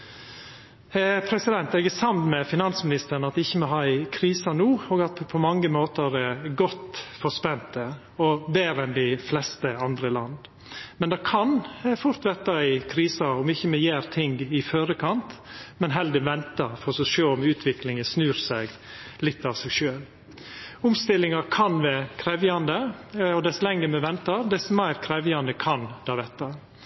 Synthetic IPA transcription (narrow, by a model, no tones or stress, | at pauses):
pʰɾɛsɪd̪ɛnt̪ɛɡɛsɑmnmɛfɪnɑnsmɪnɪst̪əɾn̩ɑt̪ɪçːəmɛɦɑɪkʰɾiːsɑnuːoːɡɑt̪ʰpʰɔmɑŋːəmoːt̪əɾɛɡɔt̪fɔspɛnt̪ə | ɔbeːɾɛnd̪ɪflɛst̪əɑnd̪ɾəlɑnd̪ | mɛnd̪ɛkʰɑnfʊɾt̪ʋɛɾt̪ɑɪɪkʰɾiːsɑɔmɪçːəmɛjæːɾt̪ʰɪŋɡɪfœːɾəkʰɑnt̪mɛnɦɛld̪əʋɛnt̪ɑfɔɾsɔʃøːɔmʉːt̪ʰʋɪklɪŋəsnʉːɾsæɡ | lɪt̪ːɑʋsɛɪɡʃøːl | ʊmst̪ɪlːɪŋɑkʰɑnʋɛkʰɾɛʋjɑnd̪əɔd̪ɛslɛŋəmɛʋɛnt̪ɑɾd̪ɛsmæɪɾkʰɾɛʋjɑnd̪əkʰɑnd̪̥ɑʋɛt̪ːɑ